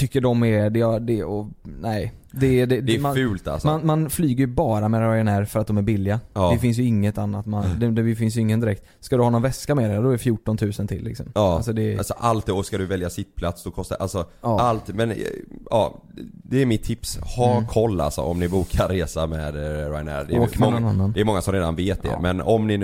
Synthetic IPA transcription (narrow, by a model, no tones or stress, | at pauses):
t̪ʰʏkːəɖɔmɛd̪ɛjad̪ɛɔnæɪd̪ɛd̪ɛd̪ɛɛmanfʉ̟ːlt̪a̰lsɔanmanflyːɡəɾjɵbɑːɾamɛɾaɾjɛnæɾfœɾat̪̚d̪ɔmæɾbɪlːɪaːvɪfɪns̬jɵɪŋːət̪anːat̪mand̪ɛd̪ɛvɪfɪnsjɵɪŋːənd̪ɪɾɛkt̪ | skad̪ɵhɑːnɔnvɛskamɛd̪ɛad̪ɔɛɛfjuːʈːɔnt̪ʰʉ̟ːsənt̪ʰɪlːɪ̰ksɔ̰mɑalsɔd̪ɛlsɔʔalt̪̚d̪ɛɔskad̪ɵvɛljasɪt̪̚pʰlat̪sd̪ɔkʰɔst̪aʔalsɔalt̪mɛnɑ̰ːd̪ɛːɾmɪt̪ʰːɪpshɑːkʰɔlːa̰lsɔ̰ɔmnɪbuːkʰaɾːeːsamɛd̪ɾa̰jnæ̰dɛoːmɛnɔnanːand̪ɛːɾmɔŋːasɔmɾeːd̪a̰nveːt̪̚d̪ɛ̰mɛnɔmnɪn